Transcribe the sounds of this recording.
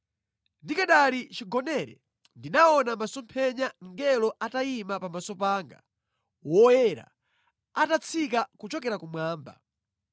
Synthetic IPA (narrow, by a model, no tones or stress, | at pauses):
ndikaɗalit͡ʃiɡɔnɛɾɛ̰ | ndinaɔnamasɔmpʰɛɲaŋɡɛlɔʔataimapamasɔpaːŋɡa̰ | wɔjɛɾa̰ | atat͡sʰikakut͡ʃɔkɛɾakumwaːmba̰